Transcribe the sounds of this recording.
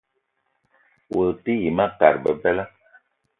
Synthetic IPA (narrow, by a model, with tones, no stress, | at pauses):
wo˨lti˦ji˨ma˦ka̰˨ɾbə˨bɛ˦lə˦